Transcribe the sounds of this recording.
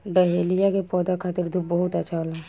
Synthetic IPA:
ɖəɦeːlijakepɔːd̪akʰaːt̪ɪɾd̪ʱubəɦʊt̪ɐtːʃʰaola

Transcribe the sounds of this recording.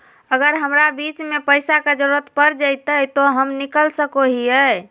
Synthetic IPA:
əɡəɾɦəmɾabit͡ʃmepəjsaked͡ʒəɾuɾət̪pəɾd͡ʒəjt̪əjt̪oɦəmnikəlsəkoɦiə

